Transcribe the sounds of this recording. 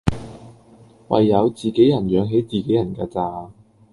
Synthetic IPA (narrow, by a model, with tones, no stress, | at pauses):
wɐ̰˨jːɐ˨˧wt͡siː˨˩ke˨˥jɐ˨˩njœː˨˧ŋɦe˨˥jt͡siː˨˩ke˨˥jɐ˨˩nkɛ̰ː˧t͡saː˨˩